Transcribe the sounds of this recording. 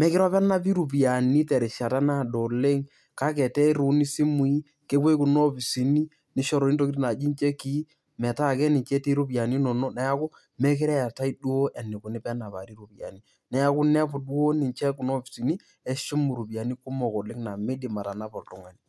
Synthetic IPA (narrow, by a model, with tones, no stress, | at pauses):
mɛ˦kɪ˦ɾɔ˦pɛ˦na˦pi˦ɾu˨p̬i˨a˨ni˦tɛ˨ɾɪ˨ʃa˨ta˦na˦˨do˨le˦ŋ | ka˦k̬ɛ˨tɛ˦ɾu˨ni˦si˦mu˨i˦ | ke˦kwe˦kʊ˨nɔ˦pi˨si˨ni˦ | nɪ˦ʃɔ˨ɾɔ˨˦i˦to˦ki˦tna˨d͡ʒi˦nt͡ʃɛ˦ki˦ | mɛ˨ta˦˨kɛ˦nɪ˨nt͡ʃɛ˦ti˦ɾu˦pi˨a˨ni˦nɔ˨no˦nɛ˦ja˦kʊ˦ | mɛ˦kɪ˦ɾɛ˦a˨ta˦i˦dwo˦ʔɛ˨nɪ˨kʊ˨nɪ˦pɛ˦na˨pa̰˨ɾi˦ɾu˨pi˨a̰˨ni˦ | nɛ˨ja˦kʊ˦nɛ˦pʊ˨dwo˦nɪ˨t͡ʃɛ˦kʊ˨no˦pi˨si˨ni˦ | ɛ˦ʃʊ˦mu˨ɾu˨bi˨a˨ni˦kʊ˦mɔ˨ko˨lɪ˦ŋna˨me˦dɪ˨ma˨ta˨na˦pɔ˨ltʊ˦ŋwa˦ni˨